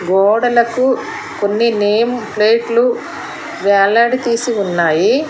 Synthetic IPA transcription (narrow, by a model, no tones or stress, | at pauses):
ɡɔːɽɐlɐku | konːineːmpleːʈlu | ʋɛːlaɽit̪iːsiunːaːji